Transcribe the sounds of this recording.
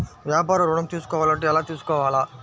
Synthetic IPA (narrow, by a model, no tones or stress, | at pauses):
ʋjaːpaːɾɐɾuɽɐmt̪iːsu̥kɔːʋaːlɐɳʈeɛlaːt̪iːsu̥kɔːʋaːlaː